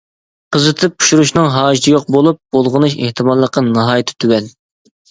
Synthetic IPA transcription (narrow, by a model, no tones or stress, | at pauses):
qʰəzɨt̪ʰɨp̚ʰu̥ʃuɾuʃnɨŋɦɑːd͡ʒt̪ʰɨjoq̚bolˠup̚b̥olˠʁʊnɨʃḛht̪ʰɨmɑlˠːəqːɑnɑɦɑːjit̪ʰɪ̥t̪ʰywɛn